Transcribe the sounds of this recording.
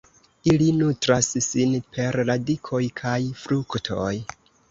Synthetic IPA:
ilinutɾasːinpʰe̞ɾladikʰo̞jkʰajfɾuktʰo̞̰j

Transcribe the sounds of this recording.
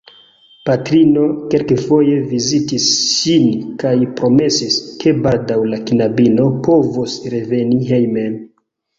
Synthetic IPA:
patɾino̞ke̞lkefo̞je̞vizitisʃinkajpɾo̞me̞siskʰe̞baldawlakinabino̞po̞vusɾe̞ve̞niɦejmen

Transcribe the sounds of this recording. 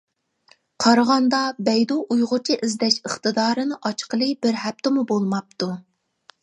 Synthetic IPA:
qʰɑɾʁɑnd̪ɑbɛjd̪oʔujʁʊt͡ʃʰiʔɪzd̪ɛʃəχt̪ɨd̪ɑːɾɨnɨʔɑt͡ʃqəlˠɨbɪɾhæp̚t̪ʰɪmubolˠmɑp̚t̪u

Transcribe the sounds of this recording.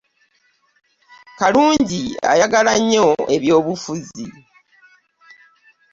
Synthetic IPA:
kaluːɲɟia̰jaɡalaɲːoe̞βjo̞ːβufuzḭ

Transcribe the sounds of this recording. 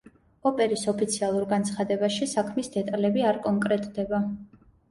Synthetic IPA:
ɔpʼɛɾisɔpʰit̪sʰialˠuɾɡant̪sʰχad̪ɛbaʃisakʰmisd̪ɛt̪ʼalɛbiaɾkʼɔŋkʼɾɛt̪ʼd̪ɛba

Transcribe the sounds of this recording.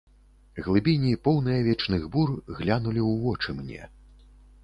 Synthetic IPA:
ɣlˠɨbʲinʲipɔwnɨjɐvʲɛt͡ʂnɨɣburɣlʲanulʲiwvɔt͡ʂɨmnʲɛ̰

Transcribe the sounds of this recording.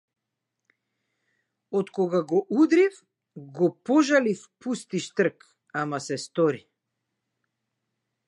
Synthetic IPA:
ɔt̪kɔɡaɡɔʔud̪ɾif | ɡɔpɔʒalifpust̪iʃt̪r̩k | amasɛst̪ɔɾi

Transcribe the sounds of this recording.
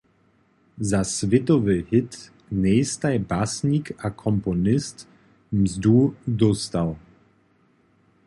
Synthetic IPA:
zasvɪtɔvəhɪt | neːstaɪbasnikʰakʰɔmpɔnɪst | mzduːdʊstaʊ

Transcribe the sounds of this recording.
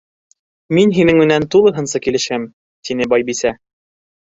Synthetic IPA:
minɦinɘŋmɘ̆nænt̪ulˠɤ̆ɦɤ̆nsɤkilɘ̆ʃæm | t̪inɘbɒjbisæ

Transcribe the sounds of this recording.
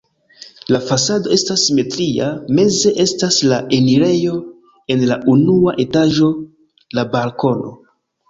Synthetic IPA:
lafasado̞e̞stasːime̞tɾiame̞ze̞ʔe̞staslaʔe̞niɾe̞jo̞ | e̞nlaʔunuaʔe̞taʒo̞ | labalko̞no̞̰

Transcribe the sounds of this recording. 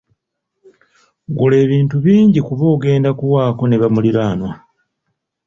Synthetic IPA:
ɡule̞ːβiːntuβiːɲɟikuβoːɡe̞ːndakuwaːko̞ne̞βamuliɾaːnwa

